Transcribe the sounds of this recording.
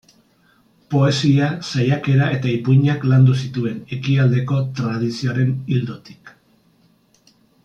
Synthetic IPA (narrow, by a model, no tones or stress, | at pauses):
po̞e̞siasajake̞ɾaʔe̞t̪aipuɲakland̪usit̪ue̞ne̞kiald̪e̞ko̞t̪ɾað̞isioɾe̞nild̪ot̪i̥k